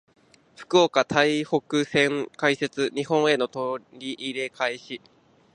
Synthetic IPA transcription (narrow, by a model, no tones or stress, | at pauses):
ɸɯ̟̥kɯ̟okat̪ʰaiho̞kɯ̟sẽ̞ŋkaise̞t͡sɨɲ̟ihõ̞ɰ̃e̞no̞t̪oɾʲiʔiɾe̞kʰaiɕi